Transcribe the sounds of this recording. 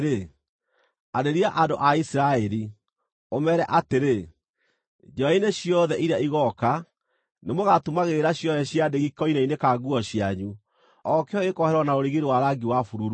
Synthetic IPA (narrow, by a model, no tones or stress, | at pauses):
ɾe | adeɾiaʔandoʔaisiɾaɛɾi | omɛɾɛʔateɾe | d͡ʒɔaineɕjɔðɛʔiɾeaiɣɔka | nemoɣatumaɣeːɾaɕjɔðɛɕjadeɣikɔinainekaɡuɔɕjaɲu | ɔkeɔekɔhɛɾwɔnaoɾiɣeɾewaɾaɡiwafuɾuɾu